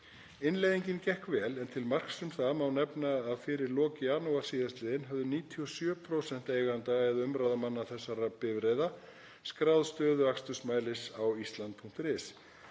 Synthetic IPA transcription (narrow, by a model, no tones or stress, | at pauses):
ɪnlejðiɲcɪncɛhkvɛːlɛnt̪ʰɪlmar̥ksʏmθaðmawnɛpnaaðfɪɾɪɾlɔːcɪaːnowar̥siːðast̪lɛːðɪnɦœvðʏniːt̪ʰiɔsjœːpʰɾowsɛn̥t̪eːjɣant̪aɛðʏmɾawðamanːaθɛsːaɾapɪvɾeːjða | skɾawðst̪œːðʏakst̪ʏsmaːjlɪsawist̪lant̪̚pʰuŋ̥t̪ɾɪːs